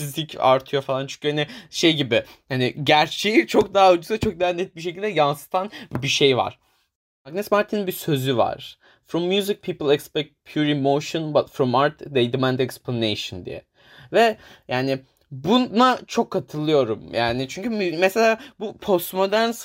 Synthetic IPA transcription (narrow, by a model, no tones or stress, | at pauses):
izlʲicʰa̰ɾt̪ʰɯjo̞falˠant͡ʃʰy̥ɲ̥cyhanɪʃe̞jɟibɪhanɪɟæɾt͡ʃʰejit͡ʃʰo̞k̚d̪aɦaud͡ʒusat͡ʃʰok̚d̪aːnːɛt̪̚biʃ̬ecʰilʲd̪ɛjansɯ̥t̪ʰanbiʃe̞jva̰ɾ̥ | maɡnɛsmaɾt̪ʰininbisø̞zyva̰ɾ̥ | fɾɔmːjuzik̚pʰiːplˠɛkspɛk̚t̪̚pʰjuɾimoʃɔnbat̪fɾɔmaɾt̪d̪ejd̪imænd̪ɛksplˠanḛjʃɯnd̪ḭjɛ̰ | vɛjaːnɪ | bunat͡ʃʰo̞kʰːat̪ʰɯlˠɯjo̞ɾumjʔaːnɪt͡ʃʰyɲcʰymɛselʲaːbupʰo̞st̪mo̞d̪æɾns